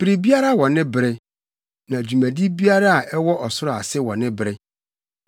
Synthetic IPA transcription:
pi˨ɾi˨bi˦a˦ɾa˦˨wɔ̃˨nɪ̃˦bɪ˨ɾɪ˦ | nã˨æ˨d͡ʑu˨mæ̃˨di˦bi˦a˦ɾa˦a˨ʔɛ˦wɔ˦ʔɔ˨sʊ˦ɾa̰˨sɪ˦wɔ̃˨nɪ̃˦bɪ˨ɾɪ˦

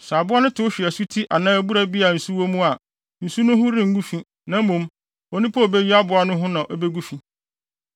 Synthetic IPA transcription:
sa˨bʊ˦a˦nʊ̃˦tʰʊ˨˦ʊ˦ɕᶣi˨æ˨su˦tʰi˦ʔa˨nãː˦æ˦bu˦ɾa˦bi˦a˨n̩˨su˦wo˦mũ˦a˨ | n̩˨su˦nʊ̃˦ɦʊ̃˦ɾɪ̃˦ŋ̩˦ɡu˦fĩ˦ | nã˨m˦mũ˨m | ɔ˨nɪ̃˦pʰa˦o˨be˦ji˦a˦bʊ˨˦a˦nʊ̃˦ɦʊ̃˦nã˨ʔɔ˦be˦ɡu˦fĩ˨

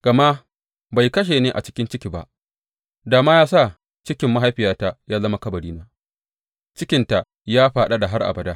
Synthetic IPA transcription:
ɡ̥ɐ˨ma˦ | ba˨jkɐ˦ʃ̬eː˨neː˦ʔa̰˨t͡ʃɪ̥˦kʲɪ˦nt͡ʃɪ˦kʲi˨ba̰˦ʔ | daː˨maː˦jaː˦sa˦˨ | t͡ʃɪ˦kʲɪ˨˦mːa˦ɦa˦jɸɪ˨jaː˦ta˦jaː˦lɐ˦ma˦kɐ˦bɐ˨ɽiː˦naː˦ | t͡ʃɪ˦kʲɪ˨nta˨ʔ | jaː˦ɸaː˨ɗa˦da˨ɦa˦rʔa̰˨bɐ˨da˦

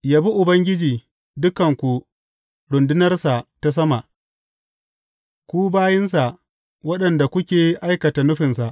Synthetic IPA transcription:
jaː˦bi˦ʔʊ˨bɐ˦ŋɡʲɪ˦d͡ʒiː˨ | dʊ˦kɐ˨ŋkʷu˨ | ɽʊ˨ndɪ˦nɐ˦rsa˨ʔta˦s̬ɐ˦ma˨ʔ | kʷuː˦baː˦jɪ˦nsa˨ʔ | wɐ˦ɗɐ˨nda˨kʷʊ˦kʲeː˨ʔa˦jkɐ˨ta˨nʊ˦ɸɪ˨nsa˨ʔ

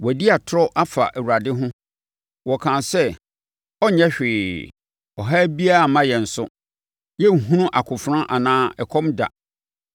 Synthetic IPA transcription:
wdi˦a˨tʰʊ˦ɾɔ˦ʔa˦fa̰˨ʔæ˨wu˨a˨dɪ˦ɦʊ̃˦ | wɔ˨kʰãː˨sɛ˦ | ɔ˦ɲɛ̃˦ɕᶣɪː˨ | ɔ˨ɦa˦bi˦a˦a˨mã˦jɛ˨n̩˨sʊ̰˦ | jɛ˦ŋ̩˨ɦũ˦nʊ̃˦ʔa˨kʰʊ˨fɾã˦ʔa˨nãː˦ɛ˨kʰɔ̃˦mda̰˨

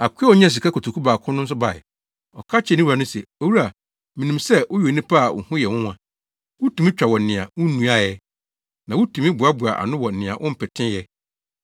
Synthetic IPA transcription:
a˨kʰʷu˦ɛ˦ɔ˨ɲã˦˨s̬i˨ka˦kʰo˨tʰu˨kʰu˦baː˨kʰʊ̃˦nʊ̃˦s̬ʊ˦ba˨ɪ̰˨ | ɔ̰˨kʰa˦t͡ɕʰɛ˨nĩ˦wu˨a˨nʊ̃˦sɛ˨o˨wu˦ɾa˨ | mĩ˨nĩ˨msɛ˦wʊ˦jo˨nĩ˦pʰa˦a˨ʊ̰˨hʊ̃˦jɛ˨wʊ̃˦ã˨ | wʊ˦tʰũ˨mĩ˦t͡ɕᶣa˨wɔ˨n̩˨nɪ̃˨ã˨wʊ̃˦nũ˦a˦jɛ˦ | nã˨wʊ˦tʰũ˨mĩ˦bu˨a˦bʊ˨a̰˨ʔa̰˨nʊ̃˦wɔ˨n̩˨nɪ̃˨ã̰˨ʔʊ̰̃˦m̩˦pʰɪ˨tʰɪ̃˦jɛ˦

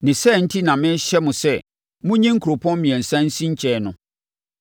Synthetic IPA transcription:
nɪ̃˨sɛ˦˨n̩˦tʰi˦nã˨mɪ̃˦ɕɛ˦mʊ̃˨sɛ˦˨ | mʊ̃˦ɲĩ˦ŋ̩˦kʰu˨ɾo˨pʰɔ̃˦mmĩ˨ɛ̃˨n̩˨sã˦n̩˦sĩ˦ɲ̩˦t͡ɕʰɛ˨nʊ̃˨

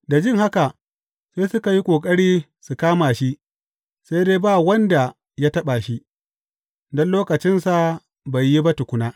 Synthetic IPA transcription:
da˨d͡ʒɪ˦ŋha˦ka˨ | seː˦sʊ˦ka˨ji˦kʷʼoː˨kʼɐ˦ɽiː˦ | su˨kaː˦maː˨ʃi˦ʔ | sa˦jdeː˦baː˦˨wɐ˦nda˨ | ja˦tɐ˦ɓa˨ʃi˦ | dɔ˦nloː˦kɐ˨t͡ʃɪ˦nsa˨ | ba˨jːi˦ba˦tʊ˨kʷʊ˦naː˦

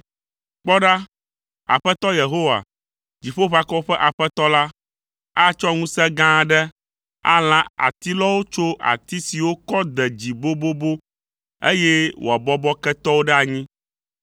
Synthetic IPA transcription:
k͡pɔ˦ɖa˦ | a̰˨ɸɛ˦t̪ɔ˦je˨ɦo˦wa̰˨ | d͡ʑi˨ɸo˦βa˨kɔ˦ɸɛ˦ʔa˨ɸɛ˦t̪ɔ˦la˦ | a˦t͡ʃɔ˦ŋũ˦sɛ˦ɡã˦ɖɛ˦ | a̰˦l̃ã˦a̰˨t̪i˦lɔ˦wo˦t͡ʃo˦ʔa̰˨t̪i˦si˨wo˦kɔ˦d̪ɛ˨d͡ʑi˨bo˦bo˦bo˦ | ḛ˦jɛ˦wo̰˨a˨bɔ˦bɔ˦kɛ˦t̪ɔ˦wo˦ɖɛ˦a˨ɲĩ˦

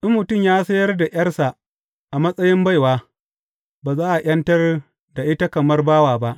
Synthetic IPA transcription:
ʔɪ˦mːʊ˨tʊ˦mjaː˦sɐ˦jɐ˦rda˨ʔj̰ɐ˦rsa˨ | ʔa˨mɐ˦sʼɐ˦jɪ˦mba˦jwaː˦ | baː˨zaː˦ʔa˨ʔʲɐ˦ntɐ˦r | da˨ʔɪ˦ta˦kɐ˨mɐ˦rbaː˦waː˨ba˦ʔ

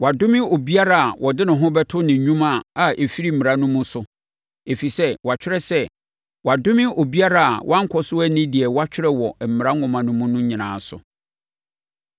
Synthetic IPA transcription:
wa˨dʊ̃˦mɪ̃˦o˨bi˦a˦ɾa˦˨a˨wɔ˨dɪ˦nɪ̃˨ɦʊ̃˦bɛ˦tʰʊ˦nɪ̃˨ɲũ˦mã˦˨a˨ʔe˨fi˦ɾi˦m̩˨mɪ̃˨ɾa˦nʊ̃˦mũ˦sʊ˨ | e˨fi˨sɛ˦wa˨t͡ɕᶣɪ˦ɾɛ˦sɛ˦ | wa˨dʊ̃˦mɪ̃˦o˨bi˦a˦ɾa˨a̰˨wʔã˦ŋ̩˦kʷʰɔ˦sʊ˦æ˦nɪ̃˦di˨ɛ˨wa˦t͡ɕᶣɪ˦ɾɛ˦wɔ˨m̩˨mɪ˨ɾa˦ŋʊ̃˨mã˨nʊ̃˦mũ˦nʊ̃˦ɲɪ̃˨nãː˨sʊ̰˨

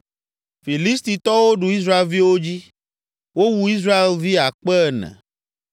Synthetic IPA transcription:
fi˨li˦st̪i˨t̪ɔ˦wo˦ɖu˨i˦sɾa˦e˨lvi˦wo˦d͡ʑi˦ | wo˦wu˦i˦s̬ɾa˦e˨lvi˦a˨k͡pɛ˦nɛ̰̃˨

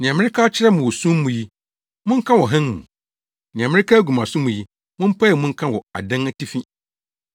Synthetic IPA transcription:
nɪ̃˨ã˨mɪ̃˦ɾɪ˦kʰaː˦t͡ɕʰɪ˦ɾɛ˦mʊ̃˨wɔ˨sũ˦mː˦ũ˨ji˦ | mʊ̃˦ŋ̩˦kʰã˦wɔ˨ɦɛ̃˦n˨mṵ̃˨ | nɪ̃˨ã˨mɪ̃˦ɾɪ˦kʰaː˦ɡu˨mã˨sʊ̃˦mũ˨ji˦ | mʊ̃˦m̩˦pʰa˦ɛ˨mʊ̃˦ŋ̩˦kʰã˦wɔ˨a̰˨dã˦n˦tʰi˦fĩ˦

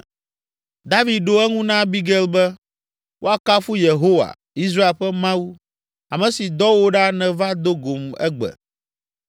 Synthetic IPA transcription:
d̪a˦vi˨d̪̚ɖo˦ɛ˦ŋũ˦nã˦bi˦ɡɛ˦lbɛ˦ | wʔo˦a˨ka˦fu˦je˨ɦo˦wa̰˨ | i˦s̬ɾa˦e˨ɸɛ˦mã˦wu˦ | a˨mɛ̃˨si˨d̪ɔ˦wo˦ɖa˦nɛ̃˨va˦d̪o˦ɡo˨mɛ̰˦ɡ͡bɛ̰˨

